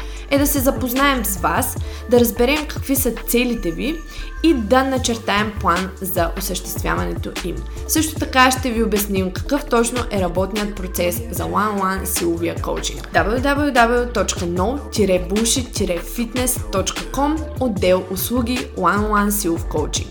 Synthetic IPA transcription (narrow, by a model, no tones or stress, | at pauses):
ɛd̪ɐsɛzɐpoznaɛmzvasd̪ɐɾɐzbɛɾɛmkɐ̥kvisət̪sɛlit̪ɛvi | id̪ɐnɐt͡ʃɛɾt̪aɛmplˠanzɐʔosəʃt̪ɛst̪vʲja̰vɐnɛt̪oim | sɤʃt̪o̥t̪ɐkaʃt̪ɛviobɐsnimkɐ̥kɤft̪ɔt͡ʃnoʔɛɾɐbɔt̪nijət̪̚pɾot̪sɛszɐlˠanlˠansilˠʊviəko̰wt͡ʃḭŋkd̪ablˠvʲjud̪ablˠjʲud̪abɛlˠjut̪ɔt͡ʃkənɔlˠt̪ʲiɾɛbulˠʃit̪ʲiɾɛfit̪nɛst̪ɔt͡ʃkəkɔmod̪ːɛlˠʊslˠuɡʲilˠanlˠansilˠfkowt͡ʃḭŋk